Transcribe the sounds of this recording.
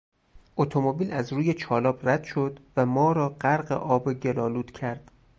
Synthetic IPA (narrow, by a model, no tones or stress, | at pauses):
ʔot̪ʰomobiːlæzɾuːje̞t͡ʃʰɒːlɒːbræd̪̥ʃo̞d̪̥væmɒːɾɒːɢæɾɢḛʔɒːbeɟe̞lɒːluːd̪̥cʰæɾd̪̥